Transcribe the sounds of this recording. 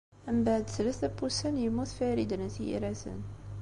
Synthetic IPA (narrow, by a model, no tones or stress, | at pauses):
əmbaʕd̪sləθæbusənjəmuθfæɾid̪ənəθijḭɾæsə̰n